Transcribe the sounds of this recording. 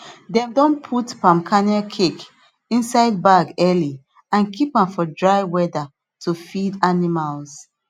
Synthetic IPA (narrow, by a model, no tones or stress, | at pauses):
dɛ̃mdɔ̃npʰutpãmkʰanɛlkʰek | ĩnsaɪd̚baɡɛli | ãnkʰipãmfɔdɹaɪwɛda | tʰufidanimals